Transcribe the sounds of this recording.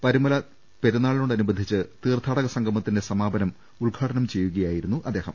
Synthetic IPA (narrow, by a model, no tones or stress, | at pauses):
pɐɾumɐlɐ | pe̞ɾunːaːɭinoɳɖɐnubɐnd̪ʱit͡ɕːɨt̪iːrt̪ʰːaːɽɐɣɐsɐŋɡʱɐmɐt̪ːinde̞sɐmaːbɐnɐm | uɭɡʱaːɽɐnɐmt͡ɕe̞jːuɣɐjaːjiɾunːuʔɐd̪eːhɐ̰m